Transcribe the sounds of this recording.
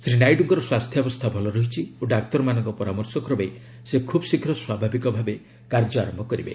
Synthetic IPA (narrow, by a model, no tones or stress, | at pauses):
sɾinajɖuŋkɔɾɔswast̪ʰjɔbɔst̪ʰabʱɔlɔɾɔɦit͡ʃʰioɖakt̪ɔɾɔmanɔŋkɔpɔɾamɔɾsɔkɔɾɔbej | sekʰubɔsikʰɾɔswabʱabikɔbʱabe | kaɾd͡ʒɔaɾɔmbʱɔkɔɾibḛ